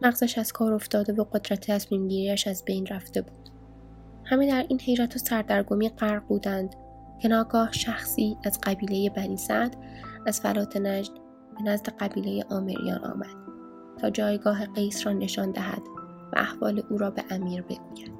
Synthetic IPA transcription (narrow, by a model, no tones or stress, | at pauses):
mæɣzæʃæz̥kʰɒːɾo̞ft̪ɒːd̪e̞voɢo̞d̪ɾæt̪ʰet̪ʰæsmiːmɟiːɾiːæʃæzbe̞jnræft̪e̞buːd̪̥ | hæmed̪æɾʔiːnhe̞jɾæt̪ʰosæɾd̪æɾɡomiːɢæɾq̚buːd̪ænd̪̥ | cʰe̞nɒːɡɒːhʃæxsiːæz̥ɢæbiːleje̞bæniːsæd̪̥ | æz̥fælɒːt̪ʰe̞næd͡ʒd̪ | b̥e̞næzd̪e̞ɢæbiːle̞je̞̰ʔɒːmḛɾḭjɒ̰ːnʔɒ̰ːmæ̰d̪̥ | t̪ʰɒːd͡ʒɒːjɡɒːɦe̞ɢejsrɒːne̞ʃɒːnd̪æɦæ̰d̪̥ | væ̰ʔæhvɒ̰ːleʔuːɾɒːbe̞̰ʔæmiːɾbe̞ɡuːjæɾd̪̥